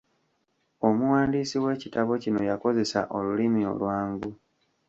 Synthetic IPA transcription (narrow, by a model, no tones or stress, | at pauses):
o̞muwaːndisiwe̞ːcitaβo̞cino̞jako̞ze̞sa̰ʔo̞lulimio̞̰lwaːŋɡu